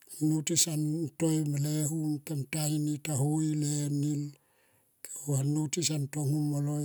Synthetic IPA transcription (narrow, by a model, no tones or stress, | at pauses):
anutisantojmaleɦumkemtaŋinitaɦoilenil | kʰe̥uanutisantoŋumoloj